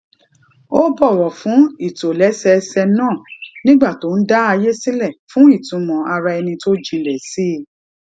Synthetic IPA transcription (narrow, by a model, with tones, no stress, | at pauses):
o˦bɔ˦˨wɔ˨fũ˨˦i˦˨to˨lɛ˨˦sɛ˧sɛ˧nãː˦˨nĩ˦ɡ͡ba˦˨to˨˦n̩˦da˦a˧je˦sĩ˦lɛ˦˨fũ˦i˦˨tũ˨˦mɔ̃˨a˧ɾa˧ɛ˧nĩ˧to˦d͡ʒĩ˧lɛ˨si˦˨